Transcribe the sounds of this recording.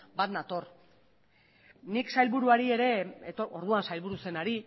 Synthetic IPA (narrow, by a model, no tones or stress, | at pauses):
bat̪nat̪o̞r | niksajlβuɾuaɾie̞ɾe̞t̪ooɾð̞uansajlβuɾuse̞naɾi